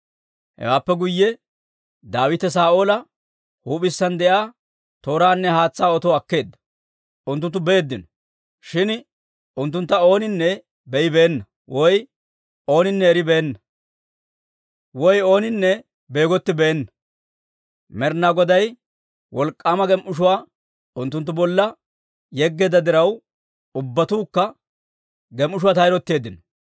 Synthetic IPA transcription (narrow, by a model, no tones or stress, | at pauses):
hɛ̰waːpːɛɡʊjːɛ | d̪aːwɪt̪ɛs̬aːʔo̞ːlɐ | huːpɪsːɐnd̪ɛʔaː | t̪o̞ːɾaːnːɛhaːt͡sːaːɔt̪oːɐkːe̞ːd̪ːɐ̥ | ʊnt̪̬ːʊnt̪ːʊbeːd̪ːɪnɔ̥ | ʃɪn | ʊnt̪ːʊnt̪ːɐo̞ːnɪnːɛ | bɛɪbe̞ːnːɐ | wʔɔj | o̞ːnɪnːɛːɾɪbeːnːɐ | wɔjo̞ːnɪnːɛ | be̞ːɡɔt̪ːɪbeːnːɐ | mɛɾnaːɡɔd̪ɐj | wɔlkʼːaːmɐɡɛmʔʊʃ̬ʊwaː | ʊnt̪ːʊnt̪ːʊbɔlːɐ | jɛɡːɛd̪ɐd̪ɪɾɐw | ʊbːɐt̪uːkːɐ | ɡɛmʔʊʃ̬ʊwaːt̪ɐjɾɔt̪ːe̞ːd̪ːɪnɔ